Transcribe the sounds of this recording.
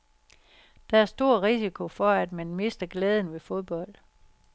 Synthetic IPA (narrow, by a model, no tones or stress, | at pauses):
d̥ɑ̈æɐsd̥o̝ɐ̰ʁisikʰo̝fɒ̽æd̥mænme̝sd̥ɐɡ̥leːð̞ˠn̩ʋe̝fo̝ð̞ˠb̥ɒ̽l̰d̥